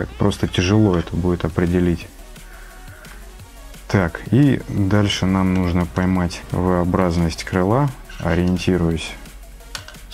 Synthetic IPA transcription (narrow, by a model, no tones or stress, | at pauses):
a̰kpɾo̞st̪ətʲɪʐɨlˠo̞ɛt̪əbudʲɪt̪ɐpɾʲɪdʲɪlʲitʲ | t̪akid̪alʲʂɨnamnuʐnəpɐjmatʲvɨɐbɾaznəsʲtʲkɾɨlˠaɐ̰ɾʲɪɪnʲtʲiɾʊjʊsʲ